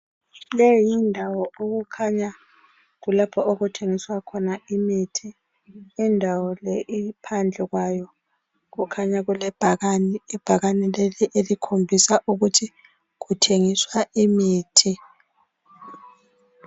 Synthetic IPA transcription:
lejɔjindʱawɔoɣukʰaɲa | ɣulapʰɔʔoɣutʰeŋiswakʰɔnaimitʰiː | ndʱawɔlɛʔipʰand͡ɮʱɛɣwajɔ | ɣukʰaɲaɣulɛb̥ʱaɣnːb̥ʱaɣanɛleliʔelikʰombʱisaʔuɣutʰi | ɣutʰeŋiswaʔimiːtʰi

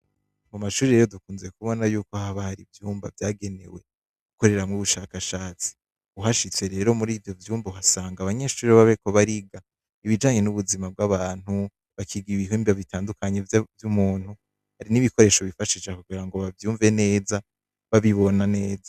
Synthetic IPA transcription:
mumaʃuːɾiɾe̞ɾo̞dukuːnziekuβo̞najuːkohaβahaɾivjuːmba̰vjaːɡe̞ne̞̰we̞̰ | uko̞ɾe̞ɾamŋuβuʃaːkaʃaːt͡si̥ | uɦaʃit͡se̞ɾe̞ːɾo̞muɾiːvjo̞vjuːmboɦasaːŋɡaβaɲe̞ʃuːɾiβaβeko̞βaɾiɡa | iβid͡ʒaːɲe̞nuβuzimab̚ɡaβaːn̥hu | βakʰiɡiiβiɦuːmbioβitaːndukaɲe̞vjumuːn̥hu | haɾiniβiko̞ɾe̞ːʃo̞βifaʃit͡ʃekuɡiɾaŋɡo̞βavjuːɱve̞ne̞ːza | βaβiβo̞nane̞ːza

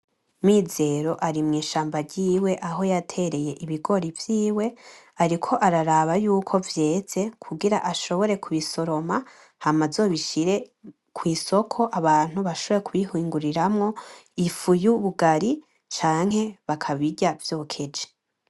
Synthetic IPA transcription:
mize̞ɾo̞ʔaɾimŋiːʃaːmbaɾɟiːwe̞ʔaɦo̞jatʰe̞ɾe̞je̞ʔiβiɡo̞ɾivjiːwe̞ | aɾikʰo̞ʔaɾaɾaβajuːkʰo̞vje̞ːz̥e̞kʰuɡiɾaʔaʃo̞βo̞ɾe̞kʰuβiso̞ɾo̞ma | hamazo̞βiʃiɾe̞ | kʰwiːso̞kʰo̞ʔaβaːn̥huβaʃoβo̞ɾekuβihiːŋɡuɾiɾamŋo̞ifujuβuɡaɾi | t͡ʃaːŋ̥he̞βakʰaβiɟavjo̞ːkʰe̞d͡ʒe̥

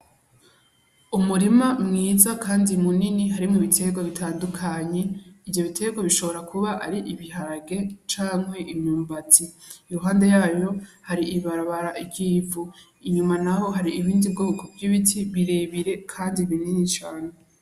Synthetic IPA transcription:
umuɾimamŋiːzakʰaːndimuniniɦaɾimuβitʰe̞ɡwaβitʰaːndukʰaɲe̞ivjo̞βitʰe̞ɡwaβiʃo̞βo̞ɾakʰuβaʔaɾiʔiβiɦaɾaɡe̞t͡ʃaːŋhwe̞ʔimɲuːmbatiːɾuɦaːnde̞jaːjo̞haɾiʔiβaɾaβaɾaʔiɡiːvu | iɲumanaho̞ɦaɾiiβiːndibɡoːkovjiβitʰiβiɾe̞ːβiɾe̞kʰaːndiβininit͡ʃaːne

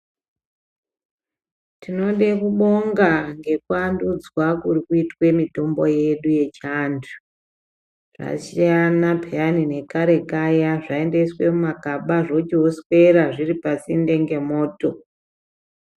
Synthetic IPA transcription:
tʰino̞ɗekuɓo̞ŋɡaŋɡe̞kuandud͡zwakurikuitwe̞mito̞mbo̞je̞ɗuje̞t͡ʃandu̥ | ʐa̰ʃianapeanine̞kaɾe̞kajaʐae̞nde̞swe̞mumakaɓaʐo̞t͡ʃioswe̞ɾaʐiripasinde̞ŋɡe̞mo̞ːto̞

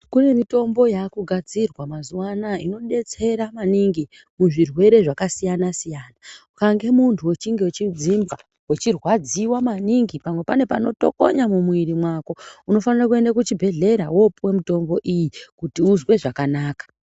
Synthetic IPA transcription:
kune̞mito̞mbo̞jaːkuɡʱad͡zirwamazuwanaino̞ɗe̞t͡se̞ɾamaniŋɡi | muʐirwe̞ɾe̞ʐakasijanasijaːnaukaŋɡe̞muntʰuwe̞t͡ʃiŋɡewet͡ʃid͡zimba | we̞t͡ʃirwad͡ziwamaniŋɡipamwe̞pane̞pano̞to̞̰ko̰ɲamumuiɾimwako̞uno̞fanirakue̞ndak̬ut͡ʃibʱe̞ɮe̞ɾa̰wo̞puwe̞mito̞mbo̞ʔijikutiuzwe̞ʐakanaːkḁ

